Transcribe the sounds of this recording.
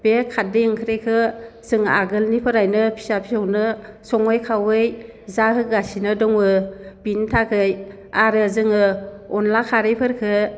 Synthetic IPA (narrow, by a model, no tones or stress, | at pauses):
b̥ekʰat̚dɯjɯŋkʰɯɾekʰɯz̥ɯŋaɡɯlnipʰɯɾajnɯpʰi̥sapʰisawnɯsɔŋɔjkʰawɯj | zaɦɯɡasinɯdɔŋɯb̥intʰakʰɯj | aɾɯzɯŋɯɔnlakʰaɾɯjpʰɯɾkʰɯ